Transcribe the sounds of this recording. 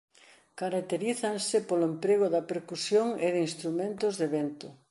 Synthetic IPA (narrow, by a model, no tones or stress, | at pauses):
kaɾakt̪eɾiθansɪpolʊempɾeɣ̞ʊðɐpeɾkusjoŋeðinst̪ɾumẽnt̪ʊzðeβent̪ʊ